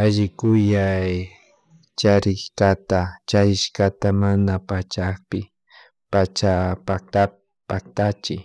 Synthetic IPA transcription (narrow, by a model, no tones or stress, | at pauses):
aʒɪkʊjaj | t͡ʃaɾɪʃkat̪at͡ʃajɪʃkat̪amanapat͡ʃakpɪ | pat͡ʃapat̪a | pak̚t̪at͡ʃɪ